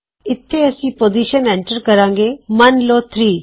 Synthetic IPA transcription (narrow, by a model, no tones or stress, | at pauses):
ɪt̪ʰːeːəsĩːpoːziːʃənɛ̃ːɳʈəɾkəɾãːŋɡeːmənloːt̪ʰɾiː